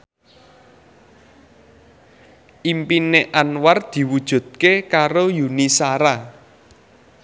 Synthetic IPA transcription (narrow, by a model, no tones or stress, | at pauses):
ʔimpineʔanward̪̥i̤wud̥ʒ̥ṳd̪̚kekaɾojunisaɾa